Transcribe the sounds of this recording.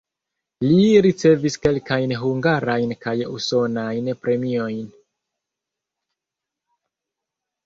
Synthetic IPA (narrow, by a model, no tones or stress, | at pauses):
liɾit͡se̞viske̞lkajnɦuŋɡaɾajnkajṵso̞najnpɾe̞mio̞jn